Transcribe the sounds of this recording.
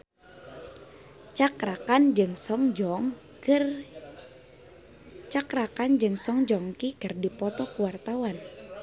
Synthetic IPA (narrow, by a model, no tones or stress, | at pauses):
t͡ʃakakand͡ʒɨŋsɔŋ | t͡ʃakɾakand͡ʒɨŋsɔŋd͡ʒɔŋkikɨrdipɔt̪ɔkuwart̪awan